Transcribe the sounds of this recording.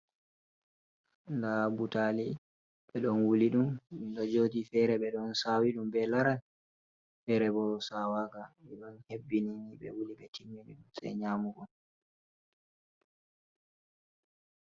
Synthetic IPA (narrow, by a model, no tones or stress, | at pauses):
ndabutali | ɓɛɗɔnwuliɗumdɔd͡ʒotifɛɾɛɓɛɗɔnsawiɗumbɛlaɾan | fɛɾɛbɔsawaːkaɛɗɔnhebːininiɓɛ̰wuliɓɛtimːiniɗumsɛ̰ɲaːmuɡɔn